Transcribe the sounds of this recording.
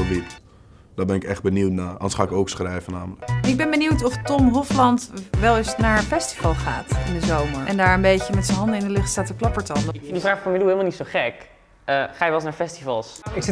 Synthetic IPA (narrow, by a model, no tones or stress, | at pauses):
ʋip | d̥abɛnɪkɛχd̚bəniwtnaːʔɑ̰nsχaːɪkowksχrɛjvənaːmələkɪɡ̚bɛnbəniwtɔftɔmɦɔflɑntʋɛlˠɪsnaːɹfɛsti̥vɑlˠχaːtɪndəzowməɹʔɛndaːɹəmbejcəmɛtsənɦɑndəɪndəlɪχtstaːtəklɑpəɹtɑndədifraːχfɔɹməluhɪlmalnitsoχɛk | əχaːjəʋɛlˠsnaːɹfɛstivɑlˠsɪk